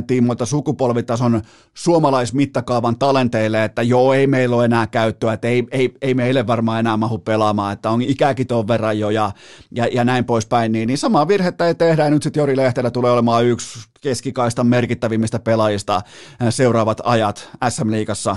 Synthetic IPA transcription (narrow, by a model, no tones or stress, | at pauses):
t̪ːˑiːmːut̪ːɑsukupolʋit̪ːˑɑson | suomɑlɑismit̪ːɑkɑuʋɑnt̪ɑlent̪eilːeet̪ːæjoːeimeilːoenæːkæyt̪ːøæet̪ːeieieimeilːeʋʋɑrmɑːenæːmɑhuppelɑmɑːet̪ːæonikækit̪oʋːerɑjojɑjɑjɑnæimpoispæinniːnnisɑmɑːʋirhet̪ːæit̪ehdæjɑnyt̪sit̪jorileht̪elːæt̪uleːolemɑːykskeskikɑist̪ɑmerkit̪ːæʋimːist̪æpelɑjist̪ɑseurˑɑːʋɑt̪ɑjɑt̪æsːæmliːkɑsːɑ